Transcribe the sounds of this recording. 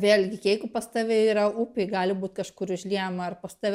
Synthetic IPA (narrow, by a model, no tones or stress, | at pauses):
ʋʲeːlʲɡʲɪkʲeɪkʊpɐst̪ɐʋʲɛiːɾɐupʲɪɡɑːlʲɪbuːt̪ʲkɐʃkʊɾɪʒʲlʲiɛjmɐɐrpɐst̪ɐʋʲ